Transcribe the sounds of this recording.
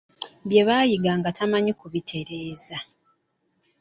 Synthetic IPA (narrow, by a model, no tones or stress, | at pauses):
βje̞βaːjiɡaŋɡatamaɲikuβitʰe̞ɾe̞ːza